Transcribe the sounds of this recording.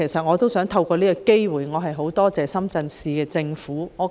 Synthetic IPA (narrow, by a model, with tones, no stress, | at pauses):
e˨˩jsɐ˨t̚ŋɔː˨˧t̪o˥wsœː˨˥ŋt̪ʰɐ˧wkɔː˧liː˥kɔ˧ke˥jwuː˨˩jŋɔː˨˧ɦɐ˨jɦo˨˥wt̪ɔː˥t͡sɛː˨sɐ˥mt͡sɐ˧nsiː˧kɛː˧t͡sɪ˧ŋfuː˨˥ŋɔː˨˧